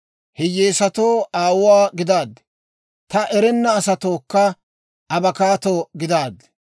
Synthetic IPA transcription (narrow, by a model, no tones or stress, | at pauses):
hɛjeːsɐt̪oːaːwʊwaːɡɪd̪aːd̪ | t̪ɐʔɛɾɛnːɐːsɐt̪oːkːɐ | ʔɐbɐkaːt̪oːɡɪd̪aːd̪